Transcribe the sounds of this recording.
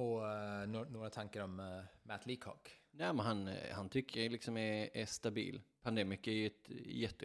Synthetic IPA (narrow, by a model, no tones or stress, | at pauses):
ɔ | noːɾat̪ʰaŋkəɾɔmmæt̪ʰliːkʰɔ̰knɛːmɛnɦanhant̪ʰʏkːəɾɛlɪksɔmɛɛst̪abḭːlpʰand̪eːmɪkæjʉɛt̪jɛt̪ːə